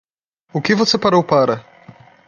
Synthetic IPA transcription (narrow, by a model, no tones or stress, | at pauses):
ʊkɪvosepaɾowpaɾɐ